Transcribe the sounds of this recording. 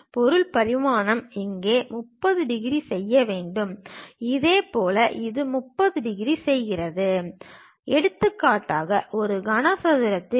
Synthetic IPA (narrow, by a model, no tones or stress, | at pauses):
pɔɾɯɭpɐɾɪmaːɳɐmɪŋɡeːmʊpːɐðɯɖɪɣɪɾisɛjːɐʋeːɳɖɯmɪðeːpoːlɐʔɪðɯmʊpːɐðɯɖɪɣɪɾisɛjɣɪrɐðɯ | ʔɛɽɯt̪ːɯkːaːʈːaːɣɐʔɔɾɯɡɐnɐsɐðɪɾɐt̪ːɪ